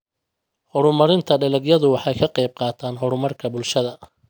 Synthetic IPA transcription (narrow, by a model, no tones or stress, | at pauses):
hɔɾʊmɐɾɪnt̪ʰɐɖɐlɛɡjɐðʊwɑħɑjkʰɐqɑjb̚qɑːt̪ʰaːnɦɔɾʊmɐrkʰɐbʊlʃɐðɐ